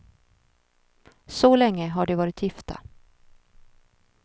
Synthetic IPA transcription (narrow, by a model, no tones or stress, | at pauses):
sɔlɛŋːəɦaɖɵvɑːɾɪt̪ʰjɪft̪a̰